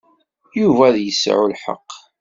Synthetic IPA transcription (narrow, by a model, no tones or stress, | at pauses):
juvæðjəsʕulħə̰qː